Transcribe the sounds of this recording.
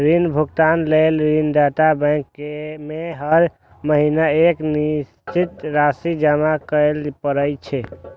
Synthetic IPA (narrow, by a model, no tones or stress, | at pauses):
ɾinbʱukt̪anlelɾinɖat̪abɛ̃kːemeɦəɾ | məɦinaeknist͡ʃit̪ɾasid͡ʒəmakəlpəɾət͡ʃʰɛ